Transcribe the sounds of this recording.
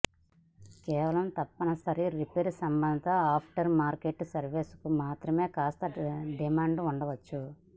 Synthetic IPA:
kɛːʋɐlɐmt̪ɐpːɐnɐsɐɾiɾipeːɾsɐmbɐnd̪ʱɐt̪ɐaːpʰʈɐɾmaːɾkeʈːsɐɾʋeːskumaːt̪ɾɐme̞ːkaːst̪ɐɖimaːɳɖuɳɖɐʋɐt͡ʃːu

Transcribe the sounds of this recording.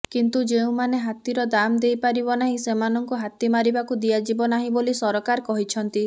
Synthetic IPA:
kint̪ud͡ʒeũmaneɦat̪iɾɔd̪amd̪ejpaɾibɔnaɦĩsemanɔŋkuɦat̪imaɾibakud̪iad͡ʒibɔnaɦĩbolisɔɾɔkaɾkɔɦit͡ʃʰɔnt̪i

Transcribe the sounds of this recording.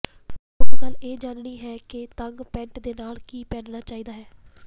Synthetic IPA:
ʊsɡəleːd͡ʒaːnɽiːɦɛːkɪt̪əŋɡpɛ̃ɳʈd̪eːnaːlkiːpɛːɖnaːt͡ʃaːiːd̪aːɦɛː

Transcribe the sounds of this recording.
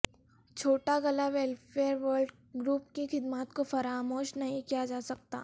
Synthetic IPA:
t͡ʃʰoːʈaɡɐlaʋelfeːəɾʋəːɾɖ | ɡɾuːpkixɪd̪maːt̪kofɐɾaːmoːʃnɐɦĩkijad͡ʒaːsɐk̚t̪a̰ː

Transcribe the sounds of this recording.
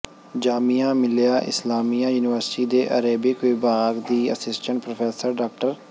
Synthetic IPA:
d͡ʒaːmijãːmɪljaːʔɪ̰slaːmiːãːjuːnɪʋəɾsʈiːd̪eːʔəɾeːbiːkibaːɡd̪iːə̰sɪsʈə̃ɳʈ̚pɾoːpʰɛːsəɾɖaːkʈəɾ

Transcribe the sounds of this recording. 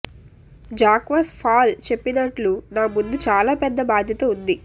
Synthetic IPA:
d͡ʒaːkʋaːspʰaːlt͡ʃe̞pːinɐʈlunaːbund̪ut͡ʃaːlaːpɛd̪ːɐbaːd̪ʱjɐt̪ɐund̪i

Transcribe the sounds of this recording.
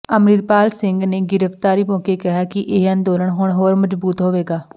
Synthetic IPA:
əmɾiːɾpaːlsɪŋɡneːɡɪɾəft̪aːɾiːbɔ̃ːkeːkɪɦaːkɪʔeːə̃ːnd̪oːləɳɦʊɳɦoːɾməzbuːt̪ɦoːʋeːɡaː

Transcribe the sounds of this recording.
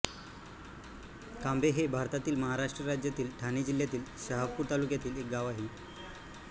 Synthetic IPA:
kambʱeɦebʱaɾt̪at̪iːlməɦaɾaʂʈɾəɾad͡ʑjat̪iːlʈʰanid͡ʑil̤jat̪iːlɕaɦapuːɾt̪alukjat̪iːlek̚ɡaʋaɦiː

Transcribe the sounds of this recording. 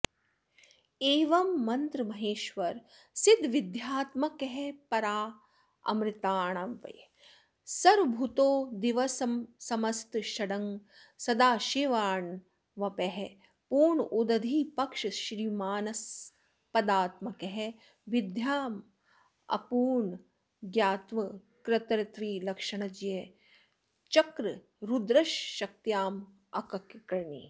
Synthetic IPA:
eːʋɐmːɐnt̪ɾɨmɐɦeːʃʋɐɾ | sid̪ʋid̪jaːt̪mɐkeɦepɐɾaː | ɐ̰mɾɪt̪aːɳɐʋɐ̰j | sɐɾbʱut̪oːd̪iʋɐsɐmsɐmɐst̪ʃɐɽɐŋ | sɐd̪aːʃeːʋaːɳ | ʋɐpeɦe | puːɳud̪ɐd̪ʱiːpɐkʂɐʃɾiːmaːnɐs | pɐd̪aːt̪mɐkeɦe | ʋid̪ʱjaːm | ɐ̰puːɳ | ɡjaːt̪ʋɐ | kɾɪt̪ɾɐt̪ʋiːlɐkʂɐɳɐd͡ʒije | t͡ʃɐkɾɨ | ɾud̪ɾɐʃːɐk̚t̪jaːm | ɐkɐkkɐɾɳi

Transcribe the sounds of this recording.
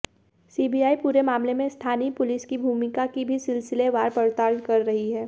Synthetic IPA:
siːbiaːipuːɾemaːmlemẽst̪ʰaːnipʊlɪskibʱuːmɪkakibʱisɪlsɪleʋaːɾpɐɾt̪aːɾnkɐɾːɐɦiɦɛː

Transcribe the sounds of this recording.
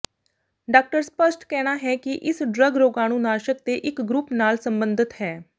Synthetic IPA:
ɖaːk̚ʈəɾspəsʈkɛːɽ̃aːɦɛːkɪʔɪsɖɾəɡɾoːɡãːnũːnaːʃək̚t̪eːʔɪkɡɾupnaːlsəmbənd̪ɪt̪ɦɛː

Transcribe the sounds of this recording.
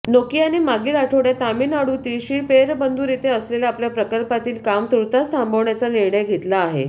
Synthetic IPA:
nokiːañimaɡiːlaʈʰoʋɽjat̪amiːnaɽut̪iːɕiːɭpeɾbənd̪ʱuɾit̪eəsleljaaːpljapɾəkəlpat̪iːlkamt̪ɾut̪ast̪ʰãmbʱəʋɳjat͡saniɾɳəjɡʱet̪laːɦḛ

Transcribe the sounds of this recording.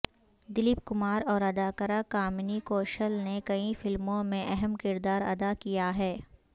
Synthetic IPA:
d̪ɪlip̚kʊmaːɾɔːɾɐd̪aːkəɾakaːmnikoːʃəlnekɐĩfɪlmõmẽʔɛɦɛmkɪɾd̪aːɾɐ̰d̪akijaɦɛː

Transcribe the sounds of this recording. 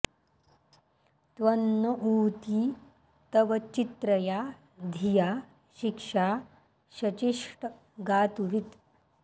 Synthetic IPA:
t̪ʋɐnːəʔuːt̪i | t̪əʋɐt͡ɕit̪ɾəja | d̪ʱija | ɕikʂa | ɕɐt͡ɕiʂʈ | ɡaːt̪uʋit̪

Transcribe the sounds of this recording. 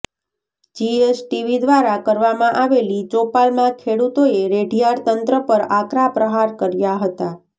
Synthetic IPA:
d͡ʒiesʈiʋid̪ʋaɾakəɾʋamãʔaʋelid͡ʒopalmãkʰeɽut̪oeɾeɖijaɽt̪ənt̪ɾəpəɾakɾapɾəɦaɾkəɾjaɦət̪a

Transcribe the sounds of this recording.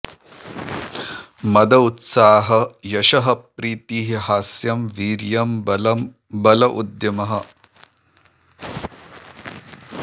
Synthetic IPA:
mɐd̪ɐut̪saːɦɐjɐʃɐɦɐ̆pɾiːt̪iːɦiɦaːsjɐmʋiːɾjɐm | bɐlɐʔud̪jɐmɐɦɐ̆

